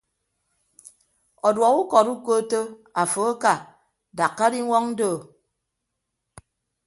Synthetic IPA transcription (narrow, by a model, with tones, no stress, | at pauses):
ɔ˨dwɔ˨ku˦kɔ˨ɾu˦ko˦to˦a˨fo˨˦a˦ka˦˨ | da˨kːa˦di˦ŋʷɔ˦ŋn̩˦doː˦˨